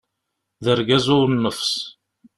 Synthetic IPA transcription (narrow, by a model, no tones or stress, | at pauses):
ðəɾɡæzʊɾnːəfs